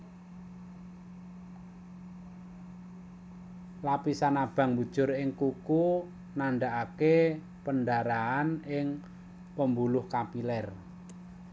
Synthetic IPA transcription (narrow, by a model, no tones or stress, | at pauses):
lapisanab̥a̤ŋbṳd̥ʒ̥ʊ̤rɪŋkuku | naɳɖaʔake | pənɖaɾaanɪŋ | pəmbulʊhkapilɛr